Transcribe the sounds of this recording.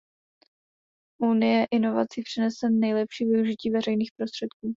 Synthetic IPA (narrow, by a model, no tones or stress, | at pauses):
ʔunɪjɛʔɪno̞va̰t͡sɪpr̥ɛnɛsɛnɛjlɛpʃiːvɪuʒɪciːvɛrɛjniːxpɾo̞st̪r̥ɛt̪kuː